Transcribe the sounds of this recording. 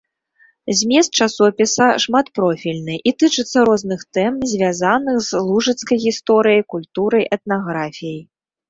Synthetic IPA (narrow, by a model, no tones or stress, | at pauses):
zʲmʲɛst̪̚t͡ʂasɔpʲisɐʂmat̪pɾɔfʲilʲnɨʔit̪ɨt͡ʂɨt̪sːɐɾɔznɨxt̪ɛmzʲvʲazanɨxzlˠuʐɨt̪skɐjɣʲist̪ɔɾɨjɐjkulʲt̪uɾɐjʔɛt̪̚naɣɾafʲijɐj